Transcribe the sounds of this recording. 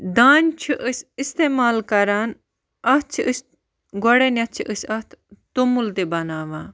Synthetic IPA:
d̪aːnʲt͡ʃʰiʔəsist̪eːmaːlkɐɾaːn | ɐt͡ʃʰiʔɨs | ɡɔɽenʲɐt̪̚t͡ʃʰiʔəsɐt̪ʰt̪umuld̪ebɐnaːʋãː

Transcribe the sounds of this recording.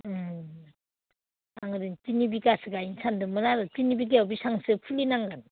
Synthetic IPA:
aŋɯdɯntinibiɡasɯɡajinsʰandɯmɯɾaɾɯtinibiɡ̬eabisaŋsɯpʰulinaŋɡan

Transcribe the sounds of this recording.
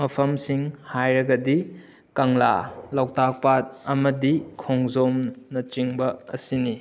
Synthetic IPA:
mɐpʰɐmsiŋhajɾɐɡɐdi | kɐŋla̰lawtʰak̚pat̚ɐmɐdikʰoŋzomnɐt͡ʃiŋbɐɐ̰sini

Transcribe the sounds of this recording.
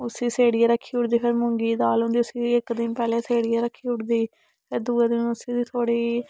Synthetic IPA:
ʊsiːseːɽiːaːɾəkʰːiːʊʈd̪iːpʰɪɾmʊŋɡiːd̪aːlɦõːnd̪iːʊsiːɪkd̪ɪnpɛːleːseːɽiːaːɾəkʰːiːʊʈd̪iː | pʰɪɾd̪uːed̪ɪnʊsiːd̪iːt̪ʰoːɽiː

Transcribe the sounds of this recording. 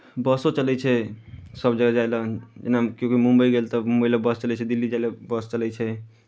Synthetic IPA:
bəsot͡ʃəlɛt͡ʃʰɛsəbd͡ʒəɡad͡ʒajlad͡ʒenakjokimumbəjɡelt̪əmumbəjləbəst͡ʃəlɛt͡ʃʰɛd̪ilːid͡ʒajlebəst͡ʃəlɛt͡ʃʰɛ

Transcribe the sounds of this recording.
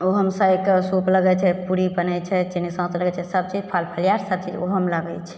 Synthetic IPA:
oɦəmsajkesupləɡɛt͡ʃʰɛpuɾibənɛt͡ʃʰɛt͡ʃinisə̃t̪ləɡɛt͡ʃʰɛsəb̚t͡ʃid͡ʒpʰalpʰəlijaɾsəb̚t͡ʃid͡ʒoɦəmləɡɛ̰t͡ʃʰɛ̥

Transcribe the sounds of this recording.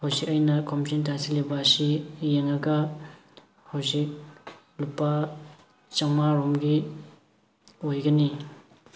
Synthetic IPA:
hawzik̚ajnɐkʰomt͡ʃentasilebɐsijeŋaɡɐ | hawzik̚ | lupːɐ | t͡ʃaŋmaɾomɡi | ojɡɐni

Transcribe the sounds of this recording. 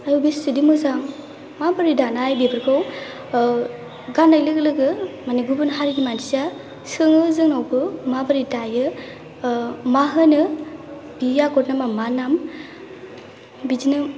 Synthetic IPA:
ajubisɯdimɯzaŋ | mabaɾidanajbebɯɾkʰaw | ɡanːajlɯɡɯlɯɡɯmaniɡubɯnɦaɾiɡimandiza | sɯŋɯzɯŋnawbʰɯmabaɾitajɯ | maɦɯnɯ | b̥ijaɡɔt̚namamanam | bizinɯ

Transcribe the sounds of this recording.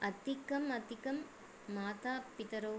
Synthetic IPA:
ɐt̪ɪkːɐmɐt̪ɪkɐmː | aːt̪aːpɪt̪ɐɾoː

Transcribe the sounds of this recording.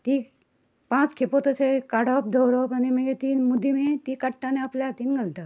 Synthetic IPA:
t̪i | pãt͡skʰepot̪ot͡ʃʰekaɽɔp̚d̪ʱowɾɔpanimeɡet̪iːnmud̪ʱimet̪iːkəʈːanẽapljat̪iːnɡəlt̪a

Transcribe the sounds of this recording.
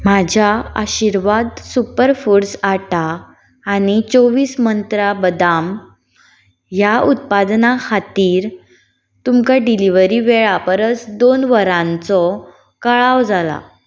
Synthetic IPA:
mad͡ʑʱaa̰ɕiɾʋad̪supəɾfuɾsaʈaː | ñit͡soʋiːsmənt̪ɾabəd̪am | jaut̪̚pad̪nakʰat̪iːɾ | t̪umkaɖiliʋəɾiʋeɭapəɾət͡sd̪onʋəɾãnt͡sɔ | kaɭawd͡zala̰

